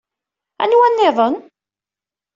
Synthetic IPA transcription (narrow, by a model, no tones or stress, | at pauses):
æ̰nwænːɪðˤən